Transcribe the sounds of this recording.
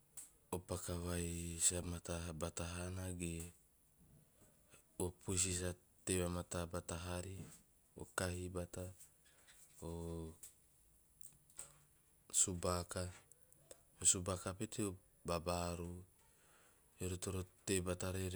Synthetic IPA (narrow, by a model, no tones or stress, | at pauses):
opakawajsamat̪abat̪aɦanaɡe | opus̬is̬a | t̪eβamat̪abat̪aɦaɾi | o̰kaɦibat̪a | o | subaka | osubakapet̪io | babaɾu | eɾut̪oɾot̪ebat̪aɾeɾ